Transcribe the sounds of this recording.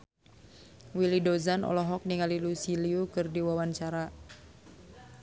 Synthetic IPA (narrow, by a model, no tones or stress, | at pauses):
wilidɔzanʔɔ̰lɔɦɔk̚niŋalilusiliukɨrdiwawaɲt͡ʃaɾa